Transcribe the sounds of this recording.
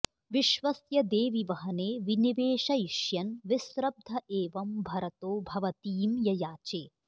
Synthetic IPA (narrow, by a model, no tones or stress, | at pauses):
ʋiʃʋɐsjɐd̪eːʋiʋɐɦɐneːʋiniʋeːʃɐjiʃjɐnʋisɾɐb̚d̪ʱɐʔeːʋɐmbʱɐɾɐt̪oːbʱɐʋɐt̪iːmjɐjaːt͡ʃeː